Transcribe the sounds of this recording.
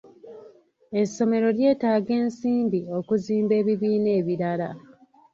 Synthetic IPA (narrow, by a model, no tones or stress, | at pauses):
e̞sːo̞me̞ɾo̞lje̞ːtaːɡe̞ːnsiːmbio̞kuziːmbe̞ːβiβiːne̞ːβiɾala